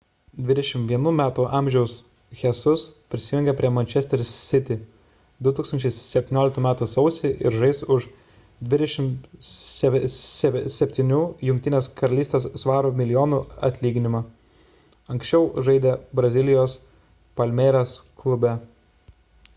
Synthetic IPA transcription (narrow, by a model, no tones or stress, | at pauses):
d̪ʲʋʲɪd̪ʲɛʃʲɪmtʋʲiɛnuːmʲæːt̪uʔɑːˑmʲʒʲɛʊs | xʲɛsʊspʲɾʲɪsʲɪjʊŋʲɡʲɛpʲɾʲiɛmɐnʲt͡ʃʲɛsʲt̪ʲɛɾʲssʲɪt̪ʲɪ | d̪ʊt̪uːkst̪ɐnʲt͡ʃʲɛɪsʲɛpʲt̪ʲɪnʲoːlʲɪk̚t̪uːmʲæːt̪uːsɔʊsʲeʔɪɾʒɐɪsʊʃ | d̪ʲʋʲɪd̪ʲɛʃʲɪmʲ | sʲsʲɛpʲt̪ʲɪnʲuːjʊŋʲk̚t̪ʲɪnʲeːskɐɾɐlʲiːst̪ʲeːsːʋɑːɾoːmʲɪlʲɪjoːnuɐ̰t̪ʲlʲiːɡʲɪnʲɪmɑ | ɐŋʲksʲt͡ʃʲɛʊʒɐɪd̪ʲeːbɾɐzʲɪlʲɪjoːs | pɐlʲmʲeːɾʲɛsklˠʊbʲæ